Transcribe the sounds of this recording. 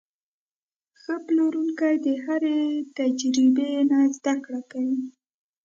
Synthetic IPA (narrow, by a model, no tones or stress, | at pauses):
xəploɾuŋkajd̪əhaɾet̪ad͡ʒɾibenazd̪akɽakawi